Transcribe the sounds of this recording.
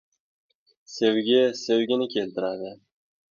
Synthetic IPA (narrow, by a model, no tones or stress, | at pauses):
sewɡʲɪsewɡʲɪnɪkʲʰe̞lt̪ɪɾad̪ɪ